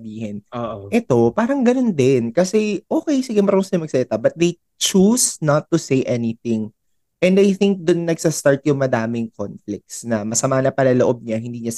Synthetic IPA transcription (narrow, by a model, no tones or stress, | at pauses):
biːhɪnoːʔʔɛt̪o̞paːɾɐŋɡɐno̞nd̪ɪnkɐsɛʔoːkɛjsɪɡɛmɐɾoʊnsɐɲʊmɐɡ̚sɐlɪt̪abɐt̪̚d̪ej | t͡ʃusnɐt̪ːʊsejʔɛnɪθɪŋ | ʔɛ̃nd̪ajθɪŋk̚d̪ʊnːɐɡsɐst̪aɹt̪̚jʊŋmɐd̪aːmɪŋkonflɪk̚t̪snɐmɐsɐmanɐpɐlɐloʔob̚ɲɐɦɪnd̪iːɲɐ